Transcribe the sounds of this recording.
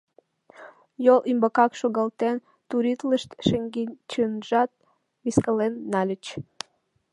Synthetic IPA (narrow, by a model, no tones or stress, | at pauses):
jolymbəkɑkʃoɣəlt̪en | t̪uɾit̪ləʃt̪ʃəŋɡint͡ɕənʒɑt̪̚ | βiskəlenːɑlʲət͡ɕ